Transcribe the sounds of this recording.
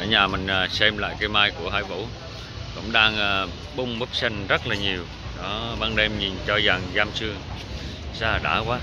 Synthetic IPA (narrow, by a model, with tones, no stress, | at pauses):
ə˧˩ɲaː˨˩mï˨˩ŋ̟ː˨˩sɛ˧mla̰ː˧˨jkaː˧jmaː˧jku˧˩əɦa̰ː˧˥jvṵ˧˥ | kʊ̰˧˥ŋ͡mɗaː˧ŋː˩ | ɓʊ˧wŋ͡mɓə˦˥p̚sa˧ŋzə˦˥t̚laː˨˩ɲi˨˩əw | ɗɔ˨˦ɓaː˧ŋɗe˧mɲi˨˩nt͡ɕɔ˧za˨˩ŋzaː˧mt͡ɕɨ˧əŋ | saː˧˨ɗa̰ː˧˩kwaː˨˦